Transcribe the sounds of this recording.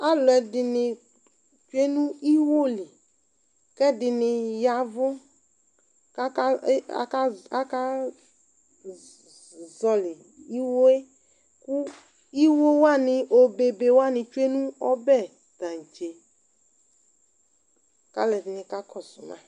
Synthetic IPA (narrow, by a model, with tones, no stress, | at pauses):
a˦lɔ˨ɛ˨dɪ˨nɪ˨ | t͡ʃu˦e˦nũ˦i˦wo˦lɪ˨ | kɛ˦dɪ˨nɪ˨ja˨vʊ˦ | ka˦ka̰˦˨˦ka˦a˦ka˦ | zɔ˨lɪ˨ | i˦wo˦e˦ | ku˦ | i˦wo˦wa˦nɪ̃˨ʔo˨be˨be˨wa˦˨nɪ̃˨t͡ʃu˦e˦nũ˦ɔ˦bɛ˦˨ | d̪̥ã˨d͡ʒe˨ | ka̰˦lɛ˨dɪ˨nɪ̃˨ka˦kʰɔ˨sʊ˨nã̰˨